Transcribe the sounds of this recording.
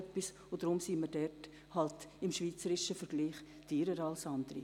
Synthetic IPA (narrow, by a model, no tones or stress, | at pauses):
pːis | ʊd̥̪ɾʊmsiːmədɛrt | hɑltɪmʃʋiːt͡səɾɪʃəfəɾɡliːχ | tʰiːɾəɾɑlsɑnd̥̪əɾḭ